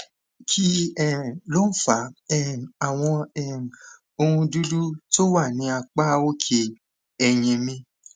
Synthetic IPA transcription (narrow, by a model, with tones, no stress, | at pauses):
kʰi˦ɛ˦˨lo˦fa˨˦ɛ˦˨a˨w̃ɔ̃˧ɛ˦˨ | o˧hũ˧du˦du˦to˦wa˦˨nĩ˨˧˦a˧k͡pa˦o˦kʰe˧ | ɛ˧j̃ɛ̃˧mĩ˧